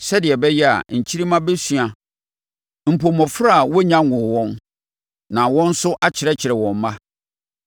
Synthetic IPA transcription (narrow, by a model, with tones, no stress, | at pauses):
sɛ˦dɪ˨ɛ˨bɛ˦jɛ˦a̰˨ɲ̩˨t͡ɕʰi˦ɾi˦mã˦be˦sɥa˨ | m̩˨pʰo˨mɔ˨fɾa˦˨wɔ˦ɲã˦ŋʊ̃˨wɔ̃˦n | nã˨wɔ̃˦n̩˦sʊ˦ʔa˦t͡ɕʰɪ˨ɾɛ˦t͡ɕʰɪ˨ɾɛ˨wɔ̃˨mː˦ã˦